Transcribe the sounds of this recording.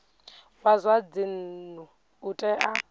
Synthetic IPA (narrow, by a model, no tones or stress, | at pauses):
wazwad͡zin̩nu | utʼɛʔa